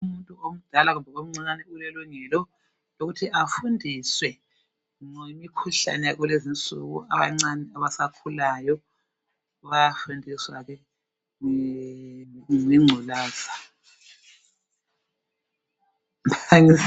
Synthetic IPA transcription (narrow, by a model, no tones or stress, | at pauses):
umuntʼuom̩d̥ʱalaɣumbʱɛɣom̩ŋ͡ǀinanɛulɛluŋɛlɔ | oɣutʰiʔafundʱiswɛ | ŋemikʰuɬa̰nɛjaɣwulezint͡sʼṵɣṵaβa̰ŋ͡ǀanɛaβasakʰulajɔ | uɣajafundʱiswaɣɛ | ŋiŋ͡ǀʱulaːz̥a | aŋi